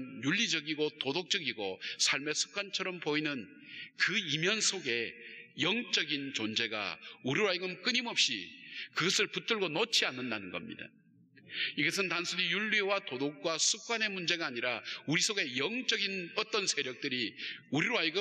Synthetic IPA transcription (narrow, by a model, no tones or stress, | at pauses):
njuʎːid͡ʑʌɡiɡotodok̚t͡ɕ͈ʌɡiɡosʰaɭme̞sʰu̥p̚k͈ʰwant͡ɕʰʌɾʌmpoinɯn | kɯimjʌnsʰoɡe̞jʌŋt͡ɕ͈ʌɡint͡ɕond͡ʑe̞ɡa̰uɾiɾoajiɡɯmk͈ɯɲimʌp̚ɕ͈ḭkɯɡʌsʰɯɭput͈ɯɭɡonot͡ɕʰianːɯndanɯnɡʌ̰mɲḭda̰ | iɡʌs̬ʰɯntansʰunijuɭːewatodok̚k͈wasʰup̚k͈wane̞mund͡ʑe̞ɡaːɲiɾauɾisʰoɡe̞jʌŋt͡ɕ͈ʌɡinʌt͈ʌnsʰe̞ɾjʌk̚t͈ɯɾiuɾiɾoajɡɯ